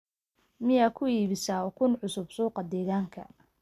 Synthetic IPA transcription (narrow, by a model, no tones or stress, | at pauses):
mɪjaːkʰʊiːβɪsaːɔkʰʊnʕʊsʊbsuːqɑd̪ɛːɣaːŋkʰɐ̰